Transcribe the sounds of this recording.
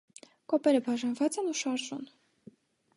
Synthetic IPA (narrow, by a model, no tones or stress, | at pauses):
kɔpɛɾəbɑʒɑnvɑt͡sɛnuʃɑɾʒṵn